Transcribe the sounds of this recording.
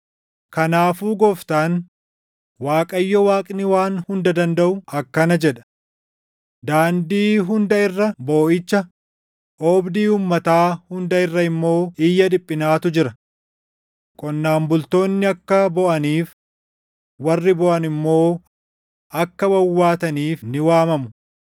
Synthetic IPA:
kɐnaːfuːɡɔft̪aːn | waːkʼɐjːɔwaːkʼnɪwaːnhʊnd̪ɐd̪ɐnd̪ɐʔʊɐkːɐnɐd͡ʒɛᶑɐ̥ | d̪aːnd̪iːɦʊnd̪ɐɪrːɐbo̞ːʔɪt͡ʃːɐ | ʔɔːbd̪iːuːmːɐt̪aːhʊnd̪ɐɪrːɐɪmːo̞ːɪjːɐd̪ɪpʼːɪnaːt̪ʊd͡ʒɪɾɐ | kʼɔnːaːmbʊlt̪o̞ːnːɪɐkːɐbɔʔɐniːf | wɐrːɪbɔʔɐnɪmːo̞ː | ʔɐkːɐbɐwːaːt̪ɐniːfnɪwaːmɐmʊ

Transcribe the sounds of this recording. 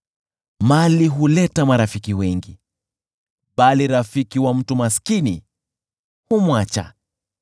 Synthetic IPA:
maliɦulɛtamaɾafikiwɛŋɡi | ɓaliɾafikiwam̩tumaskini | humwat͡ʃa̰

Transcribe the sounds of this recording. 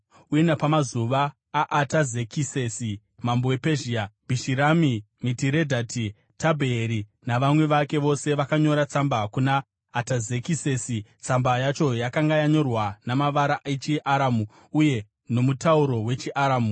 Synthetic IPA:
ujenapamazuʋaː | ʔːtazekise̞si | mambowepeʒiab̥ʱiʃiɾami | mitiɾe̞dʱati | tabʱeːɾi | naʋamwe̞ʋake̞ʋo̞se̞ʋakaɲo̞ɾat͡sambakunaː | tazekisesit͡sambajat͡ʃo̞jakaŋɡajaɲo̞rwanamaʋaɾaʔet͡ʃiʔaɾamu | uje̞ | no̞mutauɾo̞we̞t͡ʃiʔaɾaːmu

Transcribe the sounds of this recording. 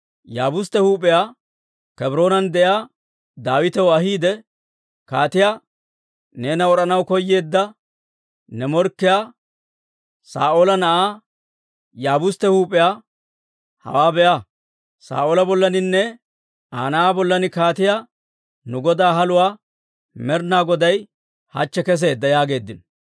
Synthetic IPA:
jaːbʊst̪ːɛhuːpʼɪjaː | kɛbɾo̞ːnɐnd̪ɛjaː | d̪aːwɪt̪ɛwɐɦiːd̪ɛ | kaːt̪ɪjaː | ne̞ːnɐɔɾɐnɐwkɔjːe̞ːd̪ːɐ | nɛmɔɾkːɪjaː | sa̰ːʔoːlɐnɐʔaː | jaːbʊst̪ːɛhuːpʼːɪjaː | hɐ̰waːbɛʔa | sa̰ːʔoːlɐbɔlːɐnɪnːɛ | aːnɐaːbɔlːɐnɪkaːt̪ɪjaː | nʊɡɔd̪aːɦɐlʊwaː | mɛɾnaːɡɔd̪ɐj | hɐ̰t͡ʃːɛkɛs̬e̞ːd̪ːɐjaːɡe̞ːd̪ːɪn

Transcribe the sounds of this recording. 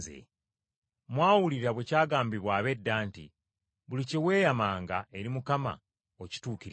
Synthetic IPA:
zḛ | mwaːwuliɾaβwecaːɡaːmbiβwaːβe̞dːaːntḭ | βulicewe̞ːjamaːŋɡae̞ɾimukama̰ | oci̥tuːkiɾ

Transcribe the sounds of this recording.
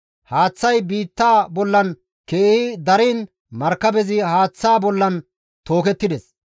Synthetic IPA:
haːt͡sːɐjbiːt̪ːaːbɔlːɐn | keːhɪd̪ɐɾiːn | mɐɾkːɐbɛzɪhaːt͡sːaːbɔlːɐn | t̪o̞ːkɛt̪ːɪd̪ɛs

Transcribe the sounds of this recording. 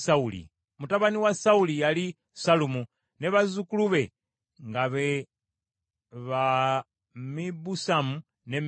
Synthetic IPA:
saulḭ | mutaβaniwasaulijali | salumu | neβazukuluβe̞ | ŋɡaβe | βa | mibusamu | nem

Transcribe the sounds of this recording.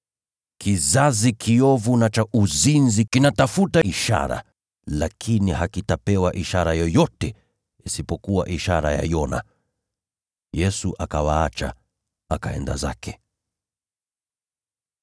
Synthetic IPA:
kʰizazikʰiɔvunat͡ʃaʔuzinzikinatafutaiʃa̰ɾa̰ | lakʰinihakitapɛwaʔiʃaɾajɔjɔtɛ | isipɔkuwa̰ʔiʃaɾa̰ja̰jɔna̰ | jɛsuʔakawaat͡ʃa̰ | akaɛnda̰za̰kɛ̥

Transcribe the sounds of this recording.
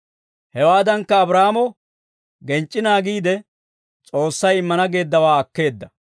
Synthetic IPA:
hɛwaːd̪ɐŋkːɐːbɾaːmɔ | ɡɛnt͡ʃʼːɪnaːɡiːd̪ɛ | t͡sʼo̞ːsːɐjɪmːɐnɐɡe̞ːd̪ːɐwaːɐkːe̞ːd̪ːɐ

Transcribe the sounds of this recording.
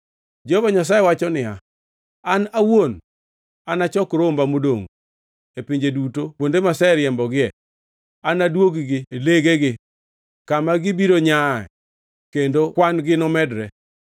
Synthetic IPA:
d͡ʒovaɲas̬ajewat͡ʃɔnɪa | anawon | anat͡ʃɔkɾombamodoŋ | epiɲd͡ʒedutopwondemasɛɾjɛmbɔɡɪɛ | anadwoɡiɡɪeleɡeɡɪ | kamaɡɪbiɾoɲaɛ̰ | kendokwanɡɪnɔmɛdɾɛ

